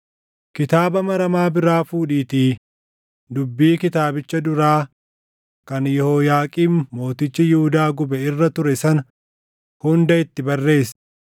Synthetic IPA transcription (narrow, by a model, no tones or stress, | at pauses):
kɪt̪aːbɐmɐɾɐmaːbɪɾaːfuːᶑiːt̪iː | d̪ʊbːiːkɪt̪aːbɪt͡ʃːɐd̪ʊɾaː | kɐnjɔhoːjaːkʼiːnːo̞ːt̪ɪt͡ʃːɪjɪhʊd̪aːɡʊbɛɪrːɐt̪ʊɾɛsɐn | hʊnd̪ɐɪt̪ːɪbɐrːe̞ːs